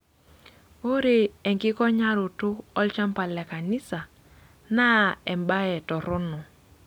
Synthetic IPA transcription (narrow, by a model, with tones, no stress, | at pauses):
o˦ɾe˨ɛ˨ŋkɪ˦kɔ˦ɲa˦ɾʊ˨tʊ˦ɔ˦lt͡ʃa˦mpa˨lɛ˨ka˨ni˦sa˨ | na˦ɛ˨mba˦ɛ˨tɔ˨ɾʊ˦nɔ˨